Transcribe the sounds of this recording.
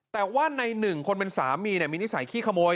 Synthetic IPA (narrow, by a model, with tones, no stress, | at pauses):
t̪ɛː˨˩waː˥˩na˧jnɯ˨˩ŋkʰo˧npe˧nsaː˩˦mːiː˧ni˥˩ɐmiː˧ni˦˥sa˩˦jkʰiː˥˩kʰa˧moː˧j